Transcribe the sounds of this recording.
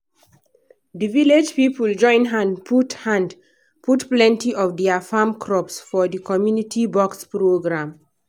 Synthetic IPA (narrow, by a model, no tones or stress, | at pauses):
dəviled͡ʒpipəld͡ʒɔ̃ɪ̃nɦãndputhãnd | pʰutplɛ̃ntiʔɔvdɛəfamkʰɹɔpsfɔðəkʰɔmjunitʰibɔkspɹoɡɹãm